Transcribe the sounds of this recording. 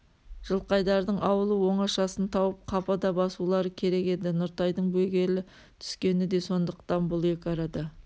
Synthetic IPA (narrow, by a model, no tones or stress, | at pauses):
ʒ̥əlˠqɑjd̪ɑɾd̪əɴʔɑwəlˠəwo̞ɴɑʃɑsənt̪ʰɑwəp̚qʰɑpɑd̪ɑbɑsulˠɑɾəkʲʰe̞ɾe̞ke̞d̪ɪnʊɾt̪ɑjd̪əɴbɵɡʲe̞lɪ | t̪ʰʏ̥skʲe̞nɪd̪e̞so̞nd̪əqt̪ɑnbʊlˠe̞kʲɑɾɑd̪ɑ